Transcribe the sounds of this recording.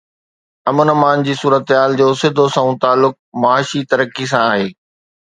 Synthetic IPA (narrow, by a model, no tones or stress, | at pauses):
ɐmənəmaːnd͡ʑiːsuːɾət̪ɦaːld͡ʑoːsɪd̪ʱosãũːt̪aːlːʊk̚mɐaːʃit̪ɐɾəkis̬ãaːɦeː